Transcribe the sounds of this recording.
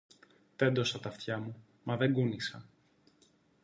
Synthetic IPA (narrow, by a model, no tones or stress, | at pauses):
t̪e̞nd̪o̞sɐt̪ɐft̪çɐmu | mɐðe̞ŋɡunisɐ